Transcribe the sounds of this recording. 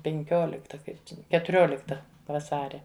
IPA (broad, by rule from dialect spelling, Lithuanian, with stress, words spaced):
pʲɛŋʲˈkʲoːlʲɪktɐ ˈkɐɪp t͡ʃʲɛ kʲɛtʊˈrʲoːlʲɪktɐ ʋɐˈsɑːrʲɛ